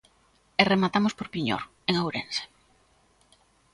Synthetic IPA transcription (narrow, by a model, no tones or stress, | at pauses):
eremat̪amospoɾpiɲo̰ɾ | eŋawɾense̥